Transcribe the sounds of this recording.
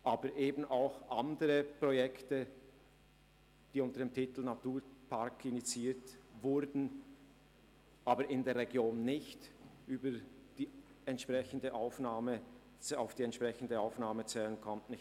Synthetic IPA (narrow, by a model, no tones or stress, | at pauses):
ʔaːbəɾʔeːbn̩aʊxʔandəʁəpʁ̥ɔjɛktə | d̥iːʊntəɐd̥eːmtʰɪtl̩natuːpʰaɐkɪnit͡siːtvʊɾdn̩ | ʔaːbəɾɪndeːɐɾʁɛɡjoːnːɪçtʔyːbəd̥iːɛntʃpʁ̥ɛçən̩dəʔaʊfnaːmə | t͡saʊfd̥iːɛntʃpʁ̥ɛçn̩dəaʊfnaːmət͡sɛːlənkʰɔmtnɪç